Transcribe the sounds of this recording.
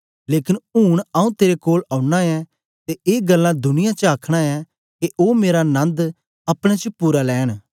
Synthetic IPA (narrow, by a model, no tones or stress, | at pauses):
leːkɪnuːɽ̃aũt̪eːɾekoːlãːʊɽaɛ | t̪eʔeːɡəlːãd̪ʊnɪjãt͡ʃəaːkʰɽ̃aɛ | keʔoːmeːɾanɐ̃nd̪ | ɐpɽ̃ẽt͡ʃəpuːɾalɛːɽ̃